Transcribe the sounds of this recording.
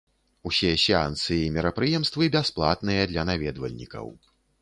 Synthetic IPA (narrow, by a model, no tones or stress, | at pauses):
usʲɛsʲɛa̰nt̪sɨjimʲɛɾɐpɾɨjɛmst̪vɨbʲasplˠa̰t̪nɨjɐd̪lʲɐnavʲɛd̪vɐ̰lʲnʲḭkɐ̰w